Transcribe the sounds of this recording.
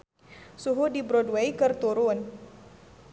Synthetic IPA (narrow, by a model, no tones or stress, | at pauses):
suɦudibɾɔdwejkɨrt̪uɾʊn